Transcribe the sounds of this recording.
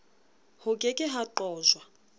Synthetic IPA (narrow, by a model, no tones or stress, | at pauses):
hʊkʼekʼɪɦaǃɔːzwa